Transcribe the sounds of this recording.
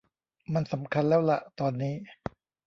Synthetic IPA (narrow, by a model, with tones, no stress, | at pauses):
ma˧nsa˩˦mkʰa˧nlɛː˦˥wla̰˨˩ʔt̪ɔː˧nːiː˦˥